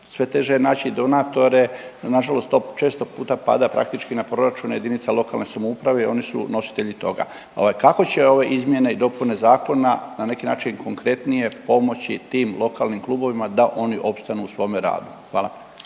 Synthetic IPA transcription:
sʋe̞t̪e̞ʒenaːt͡ɕid̪o̞nat̪o̞ɾe̞naʒalo̞st̪ːo̞t͡ʃe̞ːst̪o̞puːt̪apa̰d̪apɾa̰k̚t̪it͡ʃkinapɾo̞ɾat͡ʃuneje̞d̪init̪salˠo̞kalne̞samoupɾaʋe̞io̞nisṵno̞si̥t̪eʎit̪o̞ɡa̰ | o̞̰ʋajkako̞t͡ɕe̞o̞ʋe̞ʔizmje̞ne̞id̪o̞pune̞zaːko̞nanane̞kinaːt͡ʃinkʰo̞ŋkɾe̞t̪nije̞po̞mo̞t͡ɕit̪iːmlo̞kalnimklˠuːbo̞ʋimad̪aʔo̞niʔo̞pst̪anuusʋo̞ːmeɾa̰ːd̪uxʋaːlˠa

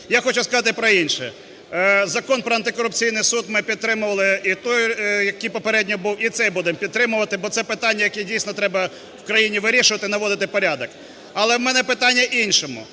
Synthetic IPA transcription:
jaxɔt͡ʃʊskɐzɑt̪ɪpɾɔinʲʃɛ | zɐkɔnpɾɔɐnt̪ɪkɔɾʊpt͡sʲijnɪjsud̪mɪpʲid̪̚t̪ɾɪmʊʋɐlˠɪit̪ɔjjɐkijpɔpeɾɛdʲnʲɔbuwit̪sɛjbud̪ɪmpʲid̪̚t̪ɾɪmʊʋɐt̪ɪbɔt̪sɛpɪt̪ɑnʲːɐjɐkɛdʲijsʲnɔt̪ɾɛbɐ | wkɾɐjinʲiʋɪɾʲiʃʊʋɐt̪ɪinɐʋɔd̪ɪt̪ɪpɔɾʲad̪ɔk | ɐlˠɛwmɛnɛpɪt̪ɑnʲːɐʔinʲʃɔmʊ̰

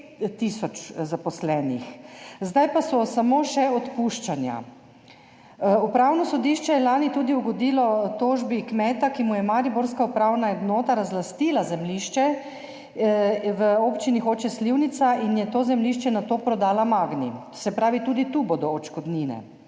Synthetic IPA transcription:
t̪isɔt͡ʃzapɔslɛːnixzd̪ajpasɔsamoːʃɛɔt̪puʃt͡ʃanja̰ | upɾawnɔsɔd̪iʃt͡ʃɛjɛlaːnit̪uːd̪iuɡɔd̪iːlɔt̪oːʒbikmɛːt̪akimujɛmaɾiboɾskaupɾaːwnaɛd̪noːt̪aɾazlast̪iːlazɛmliʃt͡ʃɛ | ʋəoːpt͡ʃinixoːt͡ʃɛsliwnit̪sainjɛt̪oːzɛmliʃt͡ʃɛnat̪opɾɔd̪aːlamaːɡni | sɛpɾaːʋit̪uːd̪it̪uboːd̪ɔːt͡ʃkɔd̪niːnɛ̰

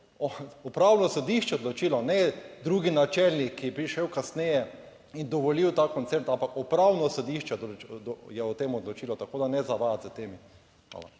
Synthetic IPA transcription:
ɔɔpɾawnɔsod̪iʃt͡ʃɛod̪lot͡ʃiːlɔnɛd̪ɾuːɡinat͡ʃɛlnikːijɛpɾiʃewkasnɛjɛ | ind̪ɔʋɔliwt̪aːkɔnt̪sɛɾt̪ãmpakɔpɾawnɔsɔd̪iʃt͡ʃɛd̪d̪jɛɔt̪eːmɔd̪lot͡ʃiːlɔt̪akoːd̪anɛzaʋat̪zət̪eːmi | ʋa̰ːla̰

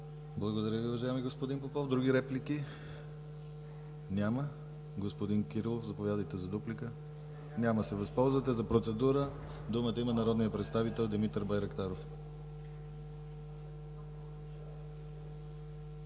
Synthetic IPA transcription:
blˠəɡod̪ɐɾʲjəviuvɐʒaɛmiɡospod̪inpopɔvd̪ɾuɡ̟iɾɛpliki | nʲamə | ɡospod̪inkʲiɾilˠofzɐpovjad̪əjt̪ɛzɐd̪uplikə | nʲaməsɛvɐspɔlˠzvət̪ɛzɐpɾot̪sɛd̪uɾə | d̪umət̪əimənɐɾɔd̪nijəpɾɛt̪st̪avit̪ɛlˠd̪imit̪əɾbajɾɛkt̪aɾof

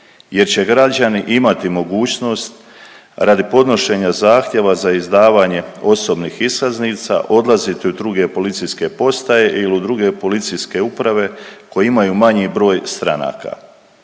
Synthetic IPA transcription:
je̞ɾt͡ɕe̞ɡɾad͡ʑaniʔimat̪imo̞ɡuːt͡ɕno̞st̪ | ɾad̪ipo̞d̪no̞ʃe̞ɲazaːxt̪je̞ʋazaizd̪aːʋaːɲe̞o̞so̞bniːxiskazniːt̪sa̰ʔo̞d̪lˠazit̪iud̪ɾuɡe̞po̞lit̪siske̞po̞st̪ajeʔilud̪ɾuɡe̞po̞lit̪siske̞upɾaʋe̞ko̞jeimajumaɲibɾo̞ːjst̪ɾana̰ːka̰

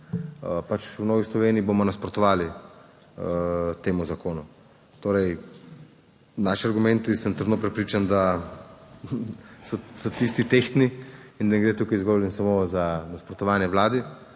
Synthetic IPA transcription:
əpat͡ʃunɔːɡislɔʋeːniːbomɔnaspɾɔt̪ɔʋaːli | ət̪eːmuzakoːnu | t̪oːɾɛj | naːʃiaɾɡumɛnt̪isəmt̪ɾd̪nopɾɛpɾiːt͡ʃand̪a | sɔsɔt̪ist̪it̪ext̪niind̪anɛɡɾeːt̪uːkajzɡoːlɛnsamozanaspɾɔt̪ɔʋaːnjɛʋlaːd̪i

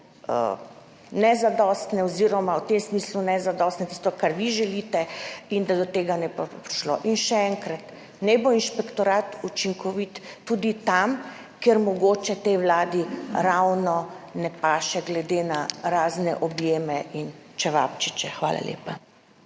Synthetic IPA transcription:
ə̰ | nɛzad̪ɔst̪nɛɔziɾɔmawt̪emsmislunɛzad̪ɔst̪nɛt̪i̥st̪ɔkaɾʋiʒɛlit̪ɛind̪ad̪ɔt̪eːɡanɛbopɾiʃlo̰ʔinʃɛɛŋkɾat̪ | nɛboinʃpɛkt̪ɔɾaːt̪ut͡ʃiŋkʰɔʋit̪ːud̪it̪am | kɛɾmɔɡoːt͡ʃɛt̪ɛjwlaːd̪iɾawnɔnɛpaːʃɛɡlɛd̪enaɾaːznɛʔɔbjeːmɛint͡ʃɛʋa̰pt͡ʃit͡ʃɛxʋa̰ːla̰lʲḛːpa

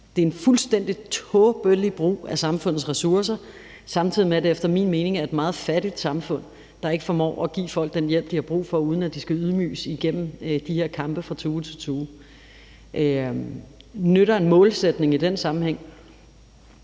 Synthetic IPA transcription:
d̥e̝enfulsd̥en̰d̥it͡sʰɔb̥øllib̥ʁṵːæsɑ̈mfɔ̽n̰ð̩ˠsʁɛsuɐsɐ | sɑ̈mt͡sʰið̞̰ˠimeɾ̥e̝efd̥ɐmḭːnme̝ːne̝ŋæɐe̝d̥mɑ̈ːð̞̩ˠfæɾ̥id̥sɑ̈mfɔ̽n̰ | d̥ɑ̈e̝ɡ̥ə̥fɒ̽mɒ̰ːɒɡ̥ḭːfɒ̽l̰ɡ̥̚d̥enjel̰b̥̚d̥ihɑ̈b̥ʁṵːfɒ̽uːð̞ˠn̩æd̥isɡ̥æyð̞ˠmy̰ːsiɡ̥en̰m̩d̥ihe̝ɐkʰɑ̈mb̥əfʁɑ̈t͡sʰuːt͡sʰe̝t͡sʰoː | ʔ | nøɾɐe̝nmɔ̽ːlsed̥ne̝ŋid̥ensɑ̈mm̩heŋ̰

